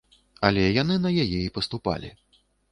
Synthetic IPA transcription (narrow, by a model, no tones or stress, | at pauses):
ɐlʲɛjanɨnɐjajɛipɐst̪upa̰lʲḭ